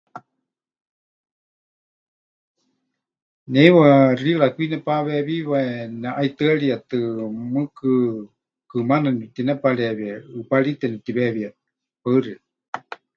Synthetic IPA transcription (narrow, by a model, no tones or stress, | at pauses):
nɛiwarilakʷinɛpaβɛβiβaɛnaʔait̪ɨaɺiat̪ɨmɨkɨ | kɨmananit̪inɛpaɺɛβiaɨpaɺit̪ɛnɛt̪iβɛβiat̪ | paɨria